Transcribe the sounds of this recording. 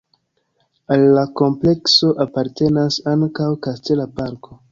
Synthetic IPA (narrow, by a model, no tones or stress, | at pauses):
alːako̞mple̞kso̞ʔapaɾte̞nasaŋkawkaste̞lapaɾko̞